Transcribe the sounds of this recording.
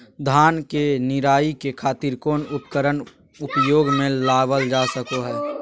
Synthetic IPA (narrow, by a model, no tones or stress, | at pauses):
d̪ʱaːnkenɪɾaːikekʰaːt̪iɾkoːnʊpkəɾən | ʊpjoːɡmẽlaːʋəld͡ʒaːsəkoɦɛː